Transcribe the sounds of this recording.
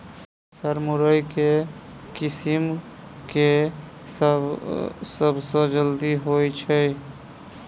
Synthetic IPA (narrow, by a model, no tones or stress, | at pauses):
səɾmuɾəjke | kisim | ke | səbʱsə̃d͡ʒəld̪iɦojt͡ʃʰəj